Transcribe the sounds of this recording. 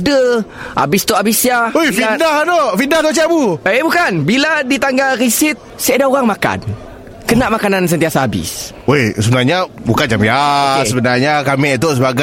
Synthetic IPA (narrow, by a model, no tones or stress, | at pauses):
də | a̰bist̪uabisjaojfidahnoʔfindaht̪oʔt͡ʃabuebukanbiladit̪aŋɡalɾisɪt̪̚sajadaoɣaŋmaka̰n | kənaʔmakanans̬ənt̪iasaabɪ̰s | osəbənarɲabukand͡ʒamiasəbənarɲakamɛʔt̪̬us̬əbaɡa